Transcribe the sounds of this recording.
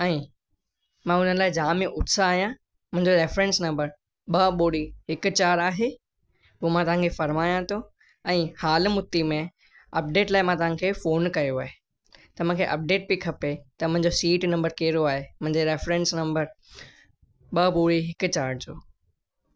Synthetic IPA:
ɛ̃ː | mãʊnəlaːɪd͡ʑaːmẽʔʊt̪saːɦijã | mʊ̃ɦɪ̃ɲd͡ʑoɾeːfɾẽnsnɐ̃mbəɾ | ɓɐɓoːɽiɦɪkʊ̆t͡ɕaːɾaːɦe | puːmãt̪ɐʋ̤ãŋkʰefɐɾmaːjãt̪ʰo | ɛ̃ːhaːlmʊt̪ːimẽ | ɐp̚ɖeːʈlaːɪmãt̪ɐʋ̤ãkʰeːfoːnkɐjoaːɦe | t̪ɐʋ̤ãkʰeʔɐp̚ɖeːʈ̚bikʰɐpet̪ɐmʊ̃ɦɪ̃ɲd͡ʑosiːʈnɐ̃mbəɾkeːɾoaːɦemʊ̃ɦɪ̃ɲd͡ʑeɾeːfɾẽnsnɐ̃mbəɾ | ɓɐɓoːɽiɦɪkʊ̆t͡ɕaːɾɖd͡ʑoː

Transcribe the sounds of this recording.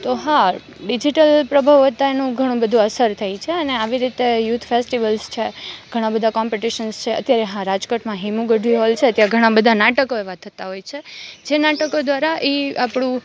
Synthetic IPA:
t̪oɦã | ɖid͡ʒiʈəlpɾəbʱaʋət̪aenũɡʱəɽ̃ũbəd̪ʱũəsəɾt̪ʰəjt͡ʃʰeəneaʋiɾit̪ejut̪ʰfesʈiʋəlst͡ʃʰeɡ̥ʱəɽ̃ãbəd̪ʱakɔmpeʈiʃənst͡ʃʰeə̰t̪jaɾeɦãɾad͡ʒkəʈmãɦimũɡəɖʱʋiɦɔlt͡ʃʰeət̪jaɡʱəɽ̃ãbəd̪ʱanaʈəkoeʋat̪ʰːət̪aɦojt͡ʃʰed͡ʒenaʈəkod̪ʋaɾaʔiapɽ̃ũ

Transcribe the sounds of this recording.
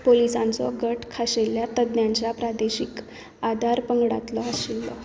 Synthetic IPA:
polisãnt͡sɔɡəʈʰkʰaɕeljat̪əd̪njãɲt͡ɕjapɾad̪eɕik | ad̪ʱaɾpəŋɡɽat̪lɔəsilːɔ

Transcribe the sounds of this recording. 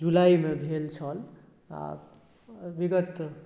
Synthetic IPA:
d͡ʒulaimebʱelt͡ʃʰʌl | a̰ | biɡət̪

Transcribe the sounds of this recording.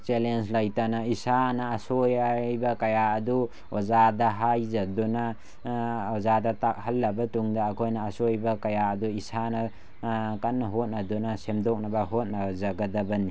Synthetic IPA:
t͡ʃelenslajtanaisanaːsojjbakɐjaːdu | ozadaɦajzaduna | ɔzadatak̚halːɐbatuŋdaːkʰojnaːsojbakajaɐduisana | kanɦot̚nadunasemdɔk̚nabaɦot̚nazaɡadabɐni

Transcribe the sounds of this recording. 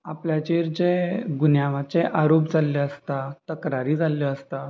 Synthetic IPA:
apljat͡ɕeɾd͡ʑeɡunjaʋat͡seʔaɾopd͡zʱaleəst̪at̪əkɾaɾiːd͡zaləəst̪a

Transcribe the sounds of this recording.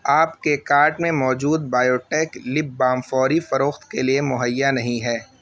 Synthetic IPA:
aːpkekaːɾʈmẽmɔːd͡ʒuːd̪̚baːjoːʈɛːklɪb̚ːaːmfɔːɾifɐɾoːxt̪keliemʊɦəjːanɐɦĩɦɛː

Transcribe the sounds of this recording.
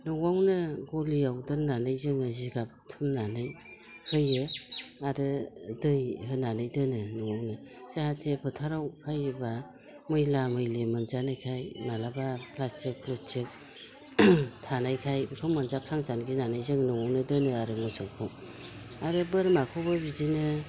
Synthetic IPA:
nɯwawnɯɡoliawdɯnnanɯjzɯŋɯziɡap̚tʰɯmnanɯj | hʰɯjɯaɾɯdɯjɦɯnanɯjdɯnɯnɯwawnɯz̥ahatʰepʰɯtʰaɾawkʰajɯba | mɯjlamɯjlemɯnzanajkʰajmalabapʰlast͡ʃik̚pʰlɯt͡ʃik̚ | tʰanajkʰajbkʰɯmːanzapʰɾaŋzanɡinanajzɯŋnɯŋawnɯdɯnɯaɾɯmɯsawkʰɯw | aɾɯbɯɾmakʰɔbabizinɯ

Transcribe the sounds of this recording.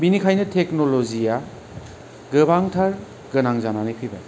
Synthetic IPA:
binikʰajnɯtʰeknolozija | ɡɯbaŋtʰaɾ | ɡɯnaŋzananɯjpʰibaj

